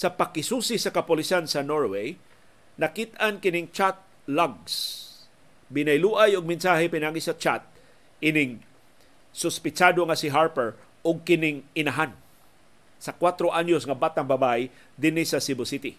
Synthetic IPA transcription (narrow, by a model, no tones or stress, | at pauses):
sɐpɐkːɪsusisɐkɐpʊlisansɐnoɹwej | nɐkit̪ankɪnɪŋt͡ʃat̪̚ | laɡs | bɪnajluːʔajʊɡ̚mɪnsaɦɛpɪnaːɡisɐt͡ʃat̪̚ | ɪnɪŋ | sʊspɪt͡ʃad̪oŋasɪɦaɹpɛɹ | ʊɡ̚kɪnɪŋɪnaɦan | sɐkwat̪ɾoʔaɲosŋɐbat̪aŋbɐbaj | d̪ɪnisɐsɪbʊsit̪i